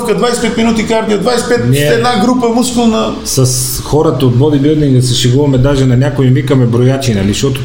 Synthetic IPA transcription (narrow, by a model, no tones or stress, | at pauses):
fkəd̪vajspɛt̪minut̪ikaɾd̪iod̪vajspɛt̪niɛɛd̪naɡɾupəmuskʊlˠnɐ | sɐs | xɔɾət̪ɐod̪̚bɔbibilˠd̪iŋɡ̪ɐsɛʃɛɡuvɐmɛd̪aʒɛnɐnʲakoivikəmɛbɾojat͡ʃinɐliʃɔt̪o